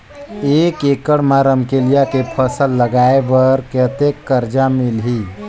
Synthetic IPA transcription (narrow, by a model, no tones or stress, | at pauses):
ekekəɽmaɾəmkelijakepʰəsəlːəɡaebəɾkət̪ekːəɾd͡ʒamilɦi